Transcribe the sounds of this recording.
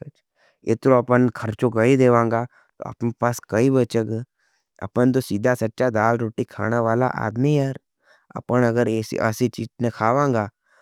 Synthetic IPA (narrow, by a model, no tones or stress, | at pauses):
eːt̪ɾoɐpənkʰɐɾt͡ʃokɐid̪eːʋãːŋɡa | t̪o̰ɐ̰pnpaːskɐibət͡ʃəkː | ɐ̰pənt̪̬osiːd̪ʱasɐtːʃad̪aːlɾoːʈikʰa̰ːnaʋaːla̰ʔa̰ːd̪miaɾ | ɐ̰pənɐɡəɾeːsḭʔə̰sit͡ʃiːtnekʰaːʋãːŋɡaː